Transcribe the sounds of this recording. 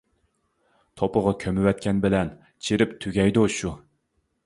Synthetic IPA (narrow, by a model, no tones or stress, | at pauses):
t̪ʰopəʁɑkʲʰømɪwɛt̪̚kʲɛnbɪlɛn | t͡ʃʰiɾɪpt̪ʰyɡʲɛjd̪uʃu